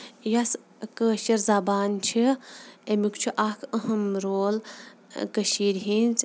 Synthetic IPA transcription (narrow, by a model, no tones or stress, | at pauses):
jɐs | kəːʃɐɾzaːbaːnt͡ʃʰiemikt͡ʃʰuʔakʰəɦɐmɾoːl | kəʃiːɾɦinz